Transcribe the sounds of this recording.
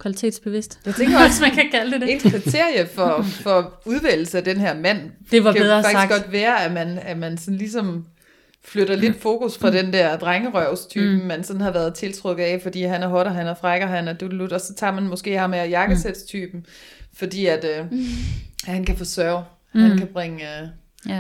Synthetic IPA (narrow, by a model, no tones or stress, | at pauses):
kʰʋælit͡sʰe̝̰ːd̥sb̥e̝ʋe̝sd̥jɑɪt͡sʰeŋɡɐsmækʰækʰæld̥ed̥e̝nʰʁit͡sʰe̝ɐ̰jəfɒfɒ̽uð̞ˠʋel̩səæd̥enɦæɐmæn̰d̥eʋɑæɑ̈ɡ̥isɡ̥ɡ̥ɒ̽d̥ʋæːɐæmænæmænsɒ̽n̩lis̬ɒ̽m | fløɾ̥ɐle̝d̥fo̝ːkusfʁɑ̈d̥end̥æɐ̰d̥ʁaŋəʁœʊst͡sʰy̰ːb̥m̩mænsɒ̽n̩hɑ̈ʋæɐð̞ˠt͡sʰe̝lt͡sʰʁɔɡ̥ð̩ˠɛfɒ̽d̥ḭːɦænæɐɦɒ̽ɾɐɦænæfʁaɡ̥ɐɦænæd̥udlud̥ɒ̽sɒ̽t͡sʰɑ̰̈mænmɔ̽sɡ̥e̝̰ːhɑ̈meæjɑ̈ɡ̥əssed̥st͡sʰy̰ːb̥m̩fɒ̽d̥ḭːæd̥ø | hænkʰæfɒsœɐʊ | hænkʰæb̥ʁeŋ